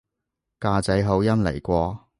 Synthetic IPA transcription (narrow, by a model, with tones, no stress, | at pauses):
kaː˧t͡sɐ˨˥jɦɐ˨˥wjɐ˥mlḛ˨˩jkʷɔː˧